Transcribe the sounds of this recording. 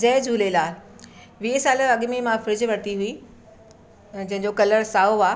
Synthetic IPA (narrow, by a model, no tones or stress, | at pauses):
d͡ʑɛːd͡ʑʱuːlelaːl | ʋiesaːləɾɐɠmemãfɾɪd͡ʑʋɐɽt̪iɦui | d͡ʑɐ̃ɦɪ̃ɲd͡ʑokɐləɾsaːoaː